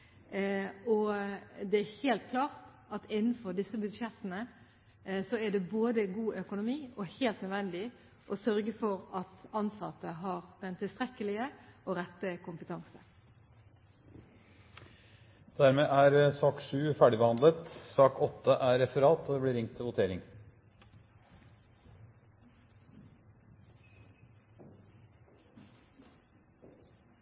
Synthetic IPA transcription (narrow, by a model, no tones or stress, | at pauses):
ɔd̪ɛæɾheːlt̪̚kʰlɑːʁt̪ | ɑt̪ɪnːn̩fɔɾd̪ɪsːəbʉd̪ʂɛt̪ːənə | sɔæɖɛboːd̪əɡuːʔœkʊnʊmiːɔheːlt̪nœd̪ʋɛnd̪ɪ | ʔɔsœɾɡəfɔɾɑt̪ɑnsɑt̪ːəɦɑʁd̪ɛnt̪ʰɪlst̪ɾɛkːəlɪəɔɾɛt̪ːəkʰʊmpət̪ʰɑŋsə | d̪̥æɾmeːʔæːɾsɑːkʂʉːfæːɖɪbəhɑnd̪lət̪sɑːkɔt̪ːəʔæːɾɛfəɾɑːt̪od̪eːbliːɾɪŋt̪ʰːɪlʋʊt̪ʰeːɾɪŋ